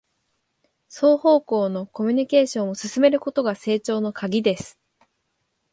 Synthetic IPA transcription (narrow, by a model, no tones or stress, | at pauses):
so̞ːho̞ːko̞ːno̞ko̞mʲiɲ̟ike̞ːɕõ̞ɰ̃o̞sɨsɨme̞ɾɯ̟ko̞t̪o̞ɡase̞ːt͡ɕo̞ːno̞kʰaɡʲid̪e̞sɨ̥